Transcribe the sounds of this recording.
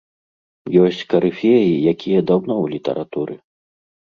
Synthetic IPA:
jɔsʲt͡sʲkɐɾɨfʲejijakʲijɐd̪awnɔwlʲit̪ɐ̰ɾʔat̪uɾɨ

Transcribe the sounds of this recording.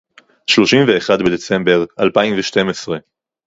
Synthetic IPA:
ʃlo̞ʃimveːχad̪bed̪e̞t͡se̞mbe̞ʁalpaimveʃte̞mesʁe̞

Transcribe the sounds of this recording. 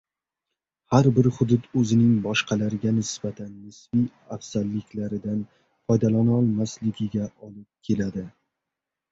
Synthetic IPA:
haɾbɪɾhʊd̪ʊd̪ɵzɪnɪŋbɒʃqʰɑlaɾɪɡʲanɪsbat̪ʰanːɪsbij | afsalːɪkʲlaɾɪd̪an | fɒjd̪alanɒlˠmaslɪɡʲɪɡʲaʔɒlˠɪp̚kʲʰe̞lad̪ɪ

